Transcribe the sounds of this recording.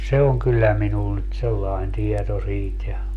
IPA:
se oŋ kylːæ minun nyt selːɑen tieto siːt jɑ

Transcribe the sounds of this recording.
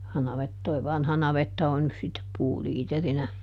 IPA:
jɑ nɑʋet toi ʋɑnhɑ nɑʋetːɑ on nys sitːep puːliːterinæ

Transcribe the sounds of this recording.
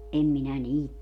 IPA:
ʔem minæ niːt teæl

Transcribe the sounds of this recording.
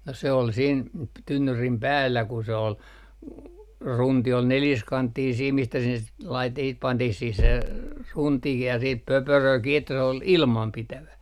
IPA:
no se ol siːn p tynːyrim pæːlːæ ku se ol runti ol neljiskɑntːiːn siːm mistæ sinːes lɑit siːt pɑntih siːh se runtikih jɑ siːp pøpørøː kiː etːæ se ol ilmɑmpitæʋæ

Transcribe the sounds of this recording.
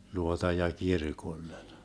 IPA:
luotɑ jɑ kirkolːen

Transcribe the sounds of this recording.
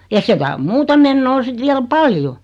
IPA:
jɑ sekæ om muːtɑ menːoː sit ʋiæl pɑljo

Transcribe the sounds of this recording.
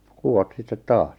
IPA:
kuw̆ot sitːet tɑːs

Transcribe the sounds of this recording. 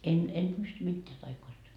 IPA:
en en pysty mitːeæ tɑikoistɑ

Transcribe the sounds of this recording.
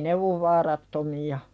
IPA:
ne oʋ ʋɑːrɑtːomiɑ

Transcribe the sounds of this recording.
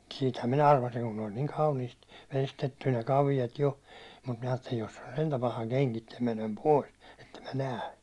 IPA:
siːthæm minæ ɑrʋɑsiŋ kun ne olʲ niːŋ kɑuniːst ʋestetːy ne kɑʋijɑt jo mut min̥æ̥ ɑːtːelin etːæ jos se on sentæ pɑhɑ keŋkitːæ menem poˑis etːem mæ næː

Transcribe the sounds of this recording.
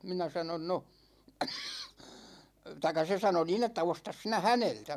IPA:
minæ sɑnon no tɑikˑɑ se sɑno niːn etːæ ostɑs sinæ hæneltæ

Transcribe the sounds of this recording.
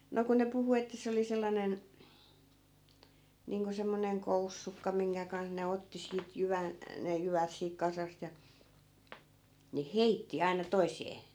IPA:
no ku ne puhu etːæ se oli selːɑnen niːŋko semːoneŋ kousːukːɑ miŋkæ kɑnh ne otːi siːt jyʋæn ne jyʋæt siːk kɑsɑst jɑ ne heitːi ɑinɑ toiseː

